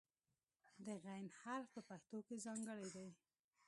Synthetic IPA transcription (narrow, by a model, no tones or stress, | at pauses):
d̪əɣajnhalfpəpaxt̪okezɑŋɡəɽajd̪aj